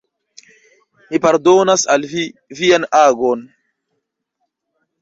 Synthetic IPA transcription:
mipaɾdonasalvivianaɡon

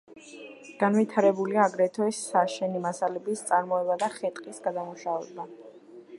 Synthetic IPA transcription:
ɡ̥anvit̪ʰaɾɛbuliaːɡɾɛt̪ʰɔɛsːaʃɛnimasalɛbist̪sʼaɾmɔɛbad̪aχɛt̪ʼqʼisɡad̪amuʃavɛ̰ba

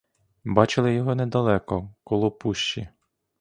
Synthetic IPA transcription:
bɑt͡ʃɪlˠɪjɔɦɔnɛd̪ɐlˠɛkɔkɔlˠɔpuʃt͡ʃi

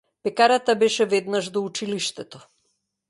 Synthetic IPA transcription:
pɛkaɾat̪abɛʃɛvɛd̪naʒd̪ɔut͡ʃiliʃt̪ɛt̪ɔ

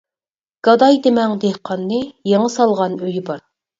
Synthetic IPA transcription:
ɡ̥ɑd̪ɑjd̪emɛŋd̪ehqʰɑnːɨjeɴəsɑlˠʁɑnøjbɑɾ

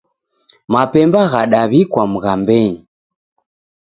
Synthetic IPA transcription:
mapɛmbaɣaɗaβikwamuɣambɛɲi

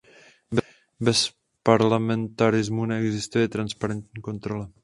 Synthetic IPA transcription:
b | bɛs | paɾlamɛnt̪aɾɪzmunɛɛɡzɪst̪ujɛt̪ɾanspaɾɛnt̪ɲiːko̞nt̪ɾo̞la

